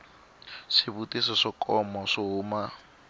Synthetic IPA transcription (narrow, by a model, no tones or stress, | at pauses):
ʂɪβutisɔʂɔkʼɔmɔʂɔɦuːma